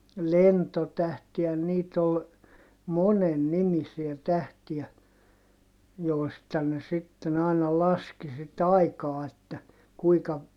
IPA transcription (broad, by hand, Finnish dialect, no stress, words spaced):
lentotæhti jɑ niːt ol monen nimisiæ tæhtiæ joˑi̯stɑ ne sitːen ɑˑinɑ lɑski sit ɑikɑː etːæ kuikɑ